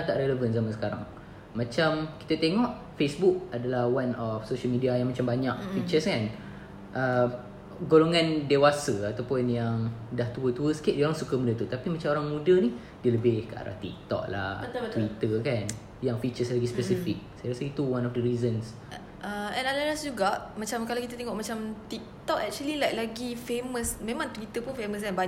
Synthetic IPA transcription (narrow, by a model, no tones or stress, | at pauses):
t̪aʔɾeləvənsamasə̥kaɾa̰ŋ | mãt͡ʃamki̥t̪ət̪eŋɔʔ | fesbuk̚adalahwanɔfsoʃəlmidiajaŋmat͡ʃambaɲa̰ʔkfik̚t͡ʃəskan | ʔə | ɡoloŋãndewasəat̪awpʊnjaŋdaht̪uət̪uəsə̥kɪt̪ʔ̚dioɾaŋsukəmudət̪ut̪apimat͡ʃamoɾaŋmudəni | diələbɪhkəa̰ɾa̰ht̪ḭk̚t̪ɔ̰ʔ̚la̰t̪wit̪əkan | jaŋfit͡ʃəslaɡispɛsifik̚sajaɾəsəɡit̪uwanɔfdəɾizəns | ʔəɛ̃nalalasd͡ʒuɡaʔmat͡ʃamkalakit̪at̪eŋɔʔmat͡ʃamt̪ik̚t̪ɔʔɛk̚t͡ʃuəlilajk̚laɡifeməsmẽmãŋt̪wit̪əpʊnfeməs̬kanbaɲ